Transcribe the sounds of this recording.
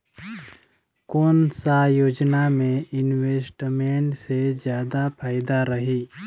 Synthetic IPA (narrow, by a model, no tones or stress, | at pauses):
koːnsajoːd͡ʒnamẽɪnweːsʈmẽɳʈsed͡ʒjaːd̪apʰaːɪd̪aɾəɦiː